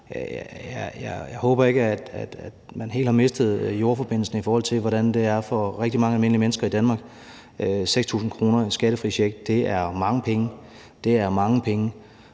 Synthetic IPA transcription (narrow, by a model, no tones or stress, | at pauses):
jæjɑjɑ̈ɪhɔ̽ːb̥ɐe̝ɡ̥əæd̥æd̥æd̥mænɦe̝̰ld̥hɑ̈me̝sd̥ð̞̩ˠjo̝ɐfɒ̽b̥e̝n̰l̩sn̩ifɒːhɒ̽l̰t͡sʰe̝lʋɒɾænd̥e̝æɐfɒʁɛɡ̥̚d̥imɑ̈ŋəælme̝n̰limenəsɡ̥ɐid̥ænmɑ̈ɡ̥ | øseɡ̥st͡sʰṵːsn̩kʰʁo̝ːnɐisɡ̥ɛɾ̥əfʁḭɕeɡ̥̚d̥̚d̥e̝æɐmɑ̈ŋəpʰeŋə | d̥e̝æɐmɑ̈ŋəpʰeŋə